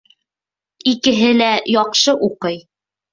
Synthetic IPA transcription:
ikɘ̆ɦɘlæjɑqʃɤʔuqɤj

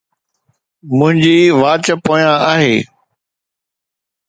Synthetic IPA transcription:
mʊ̃ɦɪ̃ɲd͡ʑiːʋaːt͡ɕəpoːjãaːɦeː

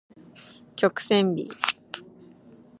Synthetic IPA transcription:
kʲokɯ̥sẽmbʲḭ

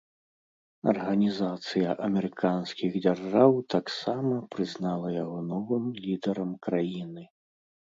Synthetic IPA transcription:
ɐ̰rɣɐnʲizat̪sɨjɐʔɐmʲɛɾɨkʰanskʲiɣd͡zʲarʐawt̪aksamɐpɾɨznalˠɐjaɣɔnɔvɨmlʲid̪ɛɾɐmkɾajinɨ

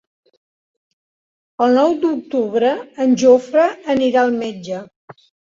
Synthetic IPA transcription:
əlˠnɔwd̪uk̚t̪uβɾəːnʲʒofɾəːniɾaəlˠmed͡ʒə

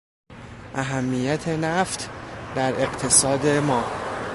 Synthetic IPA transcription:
ʔæɦæmːijæt̪ʰe̞næft̪ʰd̪æɾe̞ɢt̪ʰe̞sɒːd̪e̞mɒː

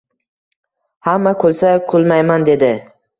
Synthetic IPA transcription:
hamːakʰɵlˠsakʰʊlˠmajmand̪e̞d̪ɪ

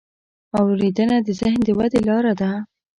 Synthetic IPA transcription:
awɾid̪ənad̪əzɪhnd̪əwad̪elɑɾad̪a

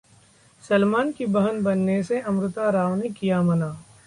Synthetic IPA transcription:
sɐlmaːnkibɐɦənbɐnːeseʔɐmɾʊt̪aɾaːʋnekijamɐnaː

